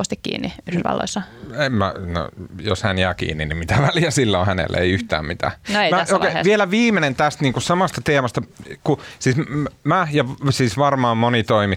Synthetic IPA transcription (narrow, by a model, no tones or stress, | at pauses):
ost̪ikkḭːnːiyhysʋɑ̰lːo̰isːɑemmæno̰joshænjæːkḭːnːinimmit̪æʋælijæsilːõːhænḛlːʔḛḛiyht̪æ̰ːmmit̪æ̰nmæokeʋielæʋiːmenent̪æst̪niːŋkussɑmɑst̪ɑt̪eːmɑst̪ɑkusiːsmæjɑʋsiːsʋɑrmɑːmmonit̪oimi